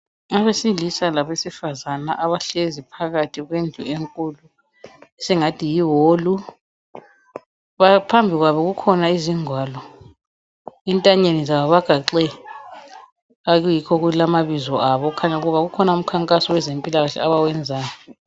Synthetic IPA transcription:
ŋaβesilisalaβesifazana̰ʔaβaɬezipʰaɣatʰiɣwend͡ɮʱṵeŋkʼulu | ɛsɛŋatʰijiɦolu | βapʰambʱiɣwaβɔɣukʰɔnaiziŋwaːlɔ | intʼaɲenizaβaβaɡ̥ʱaǃɛ | aɣujikʰɔɣulamaβizɔaβɔkʰaɲauɣuβaɣukʰɔnaum̩kʰaŋkʼasɔwɛzempʼilaɣaɬɛ̰aβawɛnd͡zʱaːjɔ

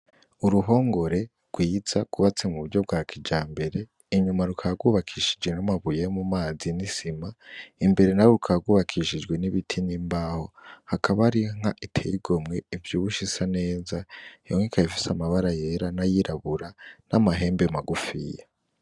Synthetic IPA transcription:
uɾuɦo̞ːŋɡo̞ɾe̞ | ɡ̥wiːz̥akuβat͡se̞muβuɾɟo̞bɡaːkʰid͡ʒaːmbe̞ɾe̞ | iɲumaɾukʰaɡwuːβakʰiʃid͡ʒɡenamaβujemumaːzinisimaimbe̞ɾe̞naɾoukʰaɡwuːβakʰiʃid͡ʒɡwe̞niβitʰinimbaːho̞hakaβaɾiŋ̥haʔitʰḛjiɡo̞mŋe̞ivjuːβuʃisane̞ːzajoŋikʰaifi̥samaβaɾaje̞ɾanajiɾʔaβuɾanamaɦe̞ːmbemaɡufḭja

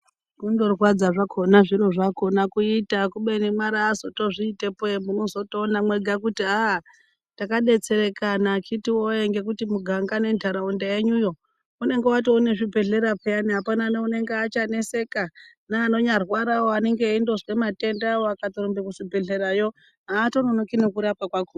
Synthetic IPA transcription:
kundo̞rwad͡zaʐakʰo̞naʐiɾo̞ʐako̞nakuitakuɓenemaɾaːzoto̞ʐiːtepemuno̞zo̞toːnamwe̞ɡʱakutia | takaɗe̞t͡se̞ɾe̞kanakitiwoeŋɡe̞k̬utimuɡʱaŋɡane̞ndʱaɾaundaeɲujo̞ | une̞ŋɡewat̬iune̞ʐibʱe̞ɮe̞ɾapejaniɦapananeune̞ŋɡeat͡ʃane̞se̞ka | naːno̞ɲarwaɾawoane̞ŋɡeindo̞zwe̞mate̞ndaoakat̪oɾombekuʂibʱe̞ɮe̞ɾajo̞ | ɦaːto̞nonokinekuɾapakwaku

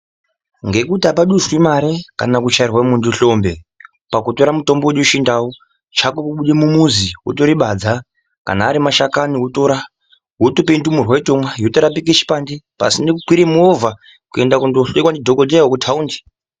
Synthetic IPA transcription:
ŋɡe̞kutapaɗuswimaɾekanakut͡ʃairwamunduɬo̞mbe̞ | pakuto̞ɾamuto̞mboweɗoʃindawo | t͡ʃakokuɓuɗemumuziwṵtoɾiɓad͡za | ka̰naːɾimaʃakaniɦutoɾa | ɦutopendumurwaitomwaɦjotoɾap̬ik̬et͡ʃi̥pandepa̰sindekukwiɾemuovʱa | kue̞ndakundoɬekwandidʱokodejaokutʰaundi̥

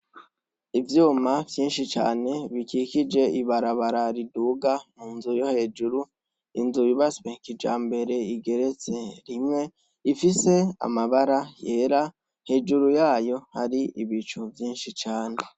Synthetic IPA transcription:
ivjuːmavjiːnʃit͡ʃa̰ːne̞βikikid͡ʒe̞iβaɾaβaɾaɾiduːɡamuːnzujo̞he̞ːd͡ʒuɾu | inzujiβasweŋkid͡ʒa̰ːmbe̞ɾe̞iɡe̞ɾe̞t͡se̞ɾimŋe̞ | ifise̞a̰maβaɾaje̞ːɾa | he̞ːd͡ʒuɾujaːjo̞haɾiʔiβit͡ʃuvjiːnʃit͡ʃaːne̞

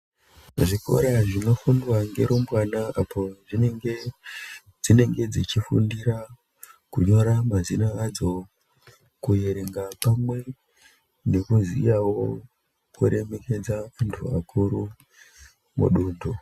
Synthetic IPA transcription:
ʐiko̞̰ɾaʐino̞fundwaŋɡe̞̰ɾombwanaapʰo̞ʐineŋɡe | d͡zine̞ŋɡe̞d͡zit͡ʃifṵndiɾa | kuɲo̞ɾamazinaːd͡zo̞ | kuje̞ɾe̞ŋɡapamwe̞ | ne̞kuzḭjawo̞ | kuɾe̞me̞ke̞d͡zaʋantʰua̰kʰuɾu | mṵɗuːdʱo

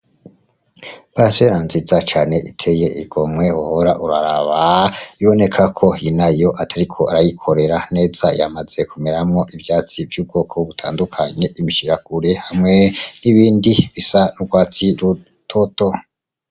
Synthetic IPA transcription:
βaɾaseɾanzizat͡ʃaːne̞ʔitʰe̞je̞ʔiɡo̞mŋe̞hohoɾaʔuɾaɾaβaiβo̞ne̞kʰakʰo̞inajo̞ʔatʰaɾikʰo̞aɾajikʰo̞ɾe̞ɾane̞ːz̥aja̰maz̥e̞kumeɾamŋo̞ʔivjaːt͡sivjuːb̚ɡo̞ːkʰoβutʰa̰ːndukʰaɲe̞ʔimiʃiɾakuɾehamŋe̞niβiːndiβisanuɡwaːt͡siɾu | tʰoto̞

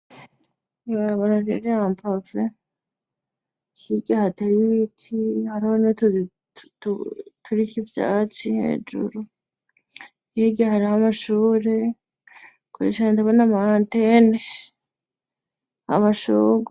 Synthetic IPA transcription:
βaɾaβonaɾḛɾeampʰave | hiɡahatajiβitʰihaɾihonotuz | tutʰuɾikivja̰ːt͡ʃihḛːd͡ʒṵɾu | jiɡaɦaɾihamaʃuːɾe̞ | kuɾḛʃaantaβanamahantene | a̰maʃuːɡa

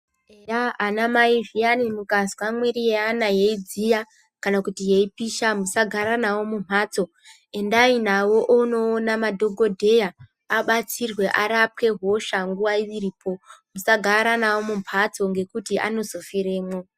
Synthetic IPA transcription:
ejaːnamaivijanimukazwamweɾijeanajeid͡zija | kanakutijeipiʃamusaɡʱaɾanawo̞mumaːt͡so̞ | e̞ndainawo̞ʔono̞ːnamadʱo̞ɡʱo̞dʱe̞jaː | ɓat͡sirwe̞ʔaɾap̚ke̞ɦo̞ʃaŋɡuwaiʋiɾiːpʰo̞musaɡʱaɾanawo̞mumpʰat͡so̞ŋɡe̞kutiʔa̰no̞zo̞fiɾeːmo

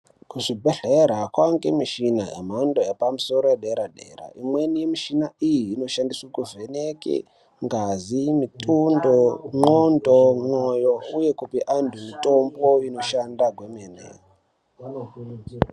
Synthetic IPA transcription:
kuʐibʱeɮeɾakwaŋɡemiʃina̰ḛmandojepamuso̞ɾojeɗeɾaɗḛɾa̰imwe̞nijemiʃinaijiːno̞ʃandiswakuvenekḛ | ŋɡazimitʼundoŋ͡ǃondoŋ͡ǃojouje̞kupiʔandʱumito̞mbo̞ino̞ʃandaɡʱwemenḛ

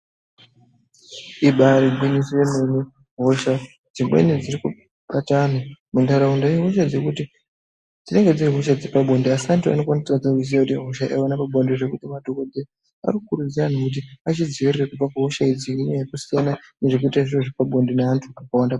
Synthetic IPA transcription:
iɓaɾiɡʱwiɲisijememi | ɦo̞ʃa | d͡zimwḛnid͡ziɾiku | ɓatanamundaɾaundajeɦo̞ʃ̬ad͡zekuti | d͡zine̞ŋɡe̞d͡ziriɦo̞ʃ̬ad͡zepaɓʱo̞ndiasantua̰no̞kwanisad͡zak̬us̬ijakutiɦo̞ʃaʔawanapabʱondiʐe̞kutimadʱokode | a̰rikukuɾud͡ziranokut̬iat͡ʃiziʋirirakub͡vakaɦoʃaid͡ziiɲajekusijanane̞ʐek̬uitaʐiroʐipaɓʱo̞ndineantʰuakawanda

